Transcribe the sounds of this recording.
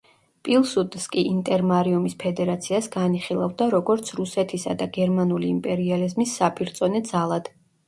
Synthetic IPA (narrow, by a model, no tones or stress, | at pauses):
pʼilˠsut̪ʼskʼiʔint̪ʼɛɾmaɾiumispʰɛd̪ɛɾat̪sʰiasɡaniχilˠavd̪aɾɔɡɔɾt̪sʰɾusɛt̪ʰisa̰d̪aɡɛɾmanuliːmpʼɛɾializmisːapʼiɾt̪sʼɔnɛd̪z̥alˠad̪̥